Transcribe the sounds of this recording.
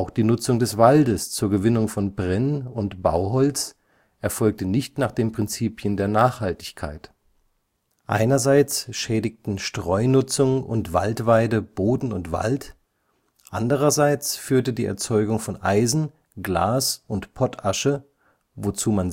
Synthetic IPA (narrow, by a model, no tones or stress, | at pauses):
ʔaʊxd̥iːnʊt͡sʊŋdɛsv̥aldəst͡suːɐɡəvɪnʊŋfɔnbʁɛnʊntb̥a̰ʊɦɔlt͡s | ʔɛɐfɔlk̚tənɪçtnaːχd̥eːmpʁ̥ɪnt͡siːpjəndeːɐnaːχhaltɪ̥çkʰa̰ɪt | ʔa̰ɪnɐzaɪt͡sʃɛːdɪk̚tn̩ʃtʁ̥ɔʏnʊt͡sʊŋʊ̰ntv̥a̰ltv̥aɪdəb̥oːdn̩ʊntv̥a̰lt | ʔandəʁ̞ɐzaɪt͡sfyːɐtədiːʔɛ̰ɐt͡sɔʏɡʊŋfɔnʔaɪzn̩ | ɡla̰ːsʊntpʰɔtʰaʃə | vot͡suːman